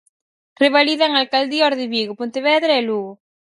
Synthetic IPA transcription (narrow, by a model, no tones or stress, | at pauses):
reβaliðaŋalkald̪iɔɾðɪβiɣopont̪eβɛðɾaɛluɣʊ